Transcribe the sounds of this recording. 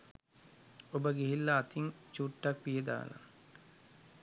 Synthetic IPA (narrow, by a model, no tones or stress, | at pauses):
obəɡeɦilːaːt̪iŋt͡ʃuːʈːak̚pijəd̪a̰ːla̰